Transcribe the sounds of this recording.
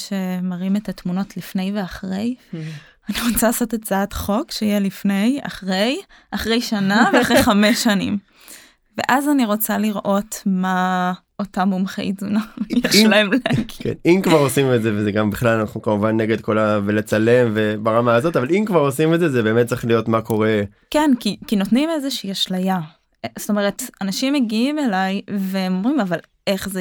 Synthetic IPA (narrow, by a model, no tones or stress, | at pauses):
ʃe̞maʁimetatmuno̞tlifne̞jve̞aχʁe̞j | aniʁo̞t͡salasotett͡saatχo̞kʃejelifne̞ja̰χʁe̞j | aχʁe̞jʃanaveaχʁejχameʃanḭm | vḛʔazaniʁo̞t͡saliʁʔo̞tma | otamumχḛizunamjeʃlaemlekkḛnimkvaʁo̞simezevezeɡambiχlalanaχnukamuvanːeɡe̞d̪̚ko̞lavelet͡sale̞mvebaʁamaːzo̞tavalimkvaʁo̞simetzezebemet̚t͡siχlijo̞tmako̞ʁe̞ | kenkikino̞tnimezeʃiːaʃlaja | zo̥t̪o̞me̞ʁetanaʃimːeɡiime̞lajvemomʁimaval | e̞χze